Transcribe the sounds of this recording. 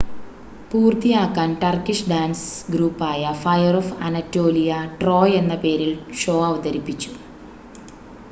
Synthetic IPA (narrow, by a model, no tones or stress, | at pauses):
puːrt̪ijaːkːaːnʈɐrkːiʂɖaːnsɡɾuːpːaːjɐfɐjɐrofɐ̰nɐtːoːlijɐʈro̞ːje̞nːɐpe̞ːɾilʂo̞ːɐʋud̪ɐɾipːit͡ɕːu̥